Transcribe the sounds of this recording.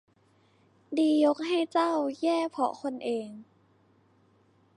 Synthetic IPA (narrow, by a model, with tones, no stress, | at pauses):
diː˧jo˦˥k̚ɦa˥˩jt͡ɕa˥˩wjɛː˥˩pʰɔ̰˨˩kʰo˧nʔeː˧ŋ